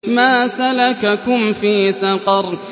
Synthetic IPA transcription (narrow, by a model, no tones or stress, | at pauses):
maːsalakakʊmfiːsɑqɑɾˤ